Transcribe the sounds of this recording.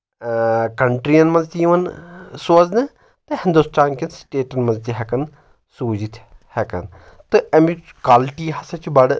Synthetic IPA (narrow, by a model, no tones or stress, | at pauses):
kɐɳʈɾiɐnmɐnzt̪iʋɐnsoːznɨ | t̪ɨhɪnd̪ust̪ʰaːnkinsʈeːʈɐnmɐ̃nzt̪iɦɛkɐn | suːd͡ʒit̪ʰhɛkɐ̰n | t̪ɨɐmi | kaːlʈiːɦɐsɐt͡ʃubɐɽ